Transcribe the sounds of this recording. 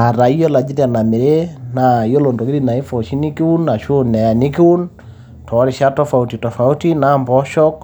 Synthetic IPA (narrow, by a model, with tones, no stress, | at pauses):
a˨ɾa˨i˦jɔ˦la˨d͡ʒi˦ɾja˨na˨me˨ɾe˦na˨jo˦lo˨ndo˨ɡi˦ɾi˦na˨i˦fɔ˨ʃi˦ni˦ki˦wu˦nːa˨ʃo˦nɛ˨ja˨ni˦ki˦wu˦n | tʰɔ˨˦ɾi˨ʃa˦tɔ˦fa˨uti˨tɔ˨fa˨u˦ti˦na˦mbɔ˦ʃɔ˦k